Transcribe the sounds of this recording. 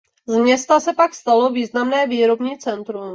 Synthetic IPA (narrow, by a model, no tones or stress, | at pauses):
zmɲɛst̪asɛpakst̪alo̞viːznamnɛːviːɾo̞bɲiːt͡sɛnt̪ɾum